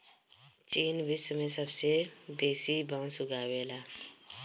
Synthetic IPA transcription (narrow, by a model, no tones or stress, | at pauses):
t͡ʃiːnʋɪsmẽsəbsebeːsibãːsʊɡaːweːlaː